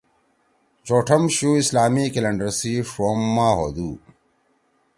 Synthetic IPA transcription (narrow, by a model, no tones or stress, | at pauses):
t͡ɕoːʈʰɐmɕuːislaːmikelɐɳɖɐɾsifɾoːmːaːɦo̰ːd̪uː